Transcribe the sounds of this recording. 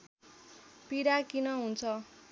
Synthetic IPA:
piɾakinʌɦunt͡sʰʌ

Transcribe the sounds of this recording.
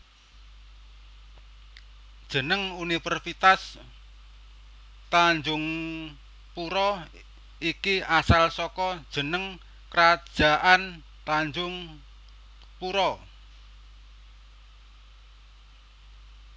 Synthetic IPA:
d̥ʒ̥ə̤nəŋunifərfit̪as | t̪aɲd͡ʒʊŋ | puɾɔ | ikiasalsɔkɔd̥ʒ̥ə̤nəŋ | kɾḁʒ̥a̤ʔan | t̪aɲd͡ʒʊŋ | puɾɔ

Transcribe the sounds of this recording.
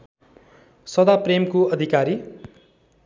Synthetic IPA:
sʌd̪apremkoʌd̪ʱikaɾi

